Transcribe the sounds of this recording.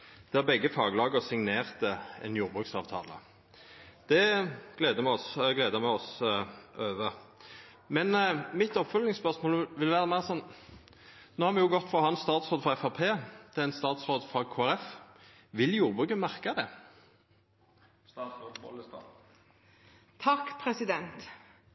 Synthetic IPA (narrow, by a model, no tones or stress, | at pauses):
d̪̥ɛæbɛɡːəfɑːɡəlɑːɡəʁsɪŋneːʁt̪əɛ̰njuːʁbʁʉːksɑːʋt̪ʰɑ̰ːlə̰ | d̪̥ɛɡ̥leːd̪əmɛɔsɡleːd̪əmɛɔs | øːʋə | mɛnmɪt̪ɔpfœlnɪŋspœʁsmoːlʋɪlʋæːʁəmæɪəsɔnː | noːhɑɾʁʋɛjʊɡɔt̪ːfɾɑhɑnsst̪ɑːt̪sʁoːd̪fɾɑɛfɑpʰeːt̪ʰɛænst̪ɑːt̪sʁoːd̪fʁɑkʰoːæʁɛf | ʋɪljuːʁbʁʉːkəmæʁkɑd̪ɛ | st̪ɑsoɔst̪ɑ | t̪ʰɑkːpʰɾɛsɪd̪ɛnt̪